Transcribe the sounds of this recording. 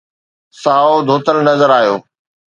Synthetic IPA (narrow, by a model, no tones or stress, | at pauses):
saːod̪ʱoːt̪əlnɐzəɾaːɦjo̰ː